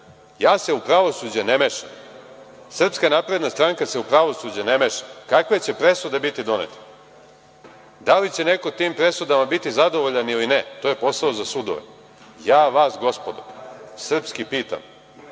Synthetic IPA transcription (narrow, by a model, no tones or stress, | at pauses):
jaːse̞upɾaʋo̞suːd͡ʑanemeʃa̰m | sr̩pskanapɾe̞d̪nast̪ɾaŋkaseupɾaʋo̞suːd͡ʑanemeʃamkakʋe̞t͡ɕe̞pɾe̞sud̪ebit̪id̪o̞nḛt̪ḁ | d̪alit͡ɕenekot̪iːmpɾe̞sud̪amabit̪izad̪o̞ʋoʎanilinet̪oːje̞po̞saozasud̪o̰ʋḛ | jaːʋaːsɡo̞spod̪o̰sr̩pskipiːt̪a̰m